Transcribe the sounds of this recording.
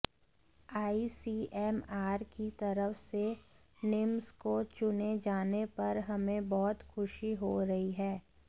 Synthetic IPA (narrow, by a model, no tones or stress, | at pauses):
aːisiːɛːmaːɾkit̪ɐɾəfse | nɪmskot͡ʃʊned͡ʒaːnepɐɾɦɐmẽbɔːt̪xʊʃiɦoɾɐɦiɦɛː